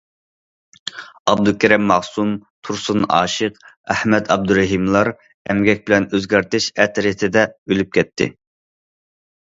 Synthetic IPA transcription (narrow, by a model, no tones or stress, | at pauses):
ɑb̚d̪ukʲæɾɛmːɑʁsumt̪ʰuɾsunɑ̰ːʃəqæhmɛd̪ɑb̚d̪uɾɛɦimlˠɑɾ | ɛmɡʲɛk̚ʲbɪlɛnøzɡʲæɾt̪ɪʃɛt̪ʰɾit̪ʰɪd̪ɛølyp̚kʲʰɛt̪ʰːɪ̰